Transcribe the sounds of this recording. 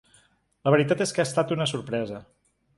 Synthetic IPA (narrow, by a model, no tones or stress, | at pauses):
ləβəɾit̪at̪eskəast̪at̪unəsuɾpɾɛzə